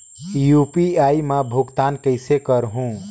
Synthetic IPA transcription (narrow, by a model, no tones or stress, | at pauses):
jupiaimãbʱoɡt̪ankəɪsekəɾɦũ